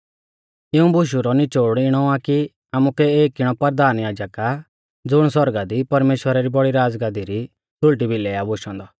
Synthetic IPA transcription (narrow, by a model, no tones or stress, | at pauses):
ɪũbʊʃ̬uɾɔnit͡ʃoːɽɪɽ̃ɔaki | amukɛeːkɪɽ̃ɔpɐɾd̪aːnjaːd͡ʒəka | d͡zʊɽ̃swɔɾɡad̪ipɐɾmeːʃwəɾaɾibɔɽiɾaːd͡zɡãd̪iɾi | t̪ʰʊɭʈibʱilɛːabʊʃɔ̃nd̪ɔ